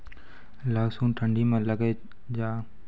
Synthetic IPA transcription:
laːɡsuːnʈʰə̃ɳɖimẽləɡe | d͡ʒaː

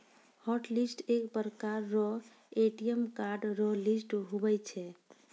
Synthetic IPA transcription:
hɔʈlisʈekbəɾkaɾːɔ | eʈijəmkaɾɖɾɔlisʈɦubɛt͡ʃʰɛ

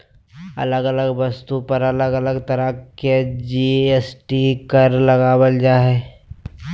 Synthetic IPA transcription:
ɐ̰ləɡələɡbɐst̪upəɾɐləɡələɡt̪ɐɾəked͡ʒieːsʈikəɾlɐɡaːwəld͡ʒaːɦeː

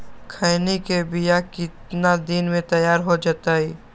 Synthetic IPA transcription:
kʰəɪnikebɪjakɪt̪nad̪inmẽt̪ɐjaːɾɦod͡ʒaːt̪aiː

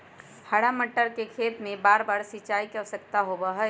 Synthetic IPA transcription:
həɽaməʈːəɾkekʰeːt̪mẽbaːɾbaːɾsɪt͡ʃaːikəsəkt̪aɦobaɦɛ

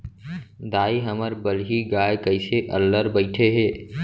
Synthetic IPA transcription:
d̪aːiɦəməɾbəlɦiɡaːjkəɪseʔəlːəɾbəɪʈʰeɦeː

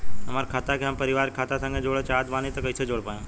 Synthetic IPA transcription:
əmaɾkʰat̪akeɦampəɾiʋaɾkʰat̪asãŋɡed͡ʒoɽet͡ʃat̪ʋanet̪okəit͡ʃʰed͡ʒoɽpajõ

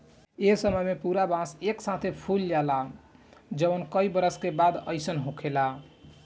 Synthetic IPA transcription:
esəməjmepuɾabãseksat̪ʰepʰuld͡ʒala | d͡ʒənkəibəɾəskebad̪əɪsənɦõkʰela

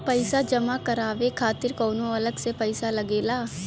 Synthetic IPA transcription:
pəɪsad͡ʒɐmakɐɾaːʋekʰaːt̪ɪɾkɔːnõɐləɡsepɐɪsalɐɡeːlaː

